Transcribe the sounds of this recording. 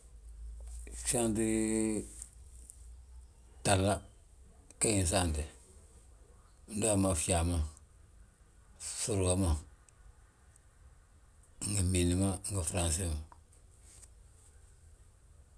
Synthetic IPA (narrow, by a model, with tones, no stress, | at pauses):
sa˦nti˦ | ta˨lːa˦ | ka˦i˨n˨s̬a˦˨nti˨ | n˦do˦a˨ma˨fi˦a˨ma˦ | su˦ɾka˦ma˨ | ŋɡa˨mi˨ni˨ma˦ŋɡa˨fɾa˨nsi˦˨ma˨